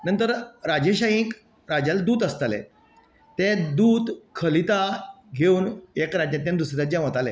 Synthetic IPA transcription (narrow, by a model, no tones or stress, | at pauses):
nənt̪əɾɾad͡ʑeɕajĩk | ɾad͡ʑald̪uːd̪əst̪alḛ | t̪ẽd̪uːd̪kʰəlit̪a | ɡʱeuːnekɾad͡ʑãt̪̬jãnd̪usɾiɾad͡ʑjãʋət̪ale